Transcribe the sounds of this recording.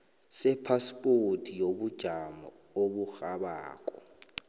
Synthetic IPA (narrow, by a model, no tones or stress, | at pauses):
sɛpʰaspʼotʰʼijobud̥ʒ̥ʱamɔ | obuxaɓa̰ːkʼɔ